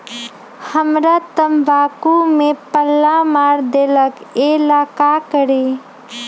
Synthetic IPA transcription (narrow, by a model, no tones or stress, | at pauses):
həmɾat̪əmbaːkumẽpəlːamaːɾd̪eːləkelaːkakəɾeː